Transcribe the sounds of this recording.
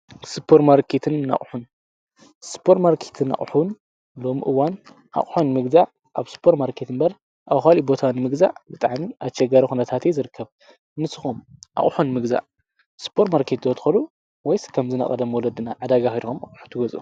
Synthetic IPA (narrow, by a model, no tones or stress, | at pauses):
sɨpʰːeɾmaɾkʰet̪ʰɨnːa̰χʼħun | sɨ̥pʰoɾtmaɾkʰet̪ʰɨnːa̰χʼħun | lo̞muʔɨwan | ʔa̰χʼħunmɨɡzaʕ | ʔaβspʰoɾmaɾkʰet̪ʰɨnbɐɾ | ʔawxalibo̞t̪ʰawnɨmɨɡza̰ʕbɨt̪ʼaʕmiʔat͡ʃːɐɡaɾixunɐt̪ʰat̪ʰezɨɾɨkʰːɐβ | nɨsɨ̥xomʔa̰χʼħunmɨɡza̰ʕ | sɨ̥pʰoɾmaɾkʰet̪zot̪xɐlu | wɔjskʰɐmzɨnɐ̰χʼɐ̰d̪ɐmwɔlɐd̪ɨnaʕad̪aɡaxid̪xomaχʼħu̥t̪ʰɨɡɐzʼʔṵ